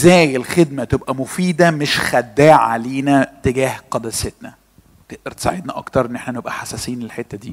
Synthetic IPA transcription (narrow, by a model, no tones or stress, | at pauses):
ezæːjelxed̪mæt̪ebʔæmofiːd̪æmeʃxæd̪ːæːʕa̰leːnæt̪eɡæːhqɑd̪æset̪næ | k̪eʔd̪ɑɾˤt̪e̥sˤa̰ʕed̪næʔɑ̰kt̪ɑɾˤʔenːʔeħnænebʔæħasæsiːænelħet̪ːæd̪ḭː